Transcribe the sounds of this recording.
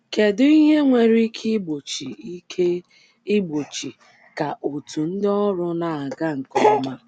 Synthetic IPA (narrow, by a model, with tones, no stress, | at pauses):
ke˨dʊ˦i˦ɦe˦ŋʷe˨ɾi˦kʰi˦ɡ͡bo˨t͡ʃi˨i˦ke˦ | i˦ɡ͡bo˨t͡ʃi˨ | ka˨ʔo˨tu˨n̩˦dɔ˦ɾʊ˦na˨a˨ɡa˦ŋ̩˨kɔ˦ma˦